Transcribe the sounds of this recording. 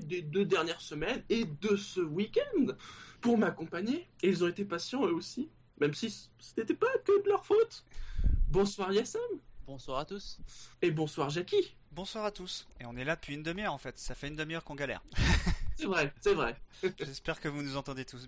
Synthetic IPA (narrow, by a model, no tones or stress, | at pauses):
d̪ed̪ød̪ɛʁnjɛʁsəmɛned̪əsəwikʲɛ̃nd̪puʁmakɔ̃paɲeilzɔ̃et̪epasjɑ̃øosi | mɛmsisɛ̥net̪ɛpakød̪əlœʁfot̪ | bɔ̃swaʁjasɛmbɔ̃swaʁat̪usebɔ̃swaʁʒakʲi | bɔ̃swaʁat̪useɔ̃nɛlad̪əpɥiynd̪əmjɛʁɑ̃fɛt̪safɛynd̪əmjœʁkɔ̃ɡalɛ̰ʁ | sɛvʁɛsɛvʁɛʒɛspɛʁkəvunuzɑ̃t̪ɑ̃d̪et̪us